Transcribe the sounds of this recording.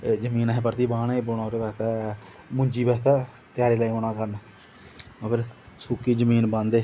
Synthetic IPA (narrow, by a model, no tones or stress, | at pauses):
d͡ʒəmiːnaːɦɛːpəɾt̪iːbaːɳebonaːʊɾeːbɛːt̪aː | mʊɲd͡ʒiːbɛːt̪aː | t̪jaːɾeːlaːiːoɳ̃aːkəɾnaː | əkəɾ | suːkiːd͡ʒəmiːnbãnd̪eː